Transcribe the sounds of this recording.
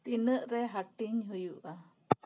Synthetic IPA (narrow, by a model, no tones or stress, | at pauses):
t̪inəʔɾeɦaʈiɲɦujuʔa